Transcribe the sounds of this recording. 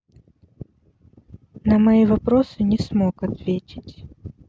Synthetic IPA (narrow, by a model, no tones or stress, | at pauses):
nɐmɐjivɐpɾosɨnʲɪsmokɐt̪vʲetʲɪ̥tʲ